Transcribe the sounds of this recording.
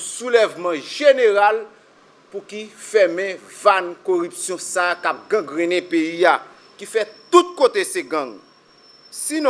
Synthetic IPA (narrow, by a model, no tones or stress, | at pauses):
sulɛvmɑ̃ʒeneʁal | pukifɛmɛ̃vankoʁypsjɔ̃sakap̚ɡãɡʁɛ̃nɛ̃peia | kifɛt̪ut̪̚kot̪eseɡãŋ | siñ